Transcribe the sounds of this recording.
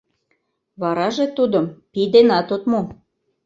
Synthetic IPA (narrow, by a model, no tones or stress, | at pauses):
βɑɾɑʒet̪ud̪əmpid̪enɑt̪ot̪mo